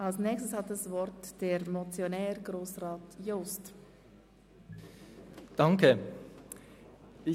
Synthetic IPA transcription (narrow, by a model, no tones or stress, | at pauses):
ʔalsnɛːkçstəshat̚dasvɔɾtd̥eɾmɔt͡sjonɛːɾɡɾoːsraːtjost | d̥aŋkʰə | ɪ